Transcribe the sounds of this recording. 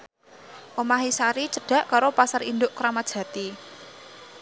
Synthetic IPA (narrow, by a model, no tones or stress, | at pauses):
ʔomaɦisaɾit͡ʃəɖ̥ä̤ʔkaɾopasarind̪ʊʔkɾamad̥ʒ̥ä̤t̪i